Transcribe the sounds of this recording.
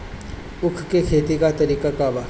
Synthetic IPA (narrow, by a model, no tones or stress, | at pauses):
ukʰkekʰet̪ikat̪ɐɾiːkʼakaba